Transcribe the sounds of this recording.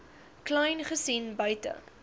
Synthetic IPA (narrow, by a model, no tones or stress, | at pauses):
klɛjnχəsinbœɥtə̰